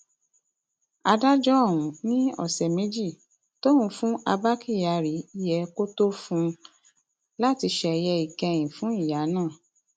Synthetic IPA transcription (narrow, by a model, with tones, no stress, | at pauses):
a˧da˦d͡ʒɔ˦ɔ˦˨w̃ũ˨˦nĩ˦ɔ̰˦˨sɛ˨mẽ˦d͡ʒi˦˨ | to˦ũ˧fũ˦ʔa˧ba˦ki˦˨ja˧ɾi˨˦i˦jɛ˧ko˦to˦fũ˧ | la˦ti˧ʃɛ˧jɛ˧i˨kɛ̃˧j̃ĩ˨fũ˨˦i˦˨ja˨˦nãː˦˨